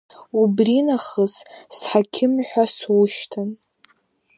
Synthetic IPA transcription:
ubrinaχəzsħakʲʰɪmħʷaswuʃtʰɨn

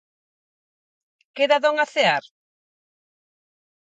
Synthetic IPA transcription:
keðaðoŋaθeaɾ

